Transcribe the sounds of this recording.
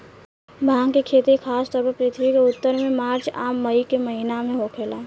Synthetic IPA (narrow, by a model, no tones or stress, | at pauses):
bʱãːŋɡkekʰeːt̪ikʰaːst̪ɔːɾpəɾpɾɪt̪ʰbikeʊt̪ːəɾmẽmaːɾt͡ʃa̰ːmːəikeməɦinamẽɦokʰeːlaː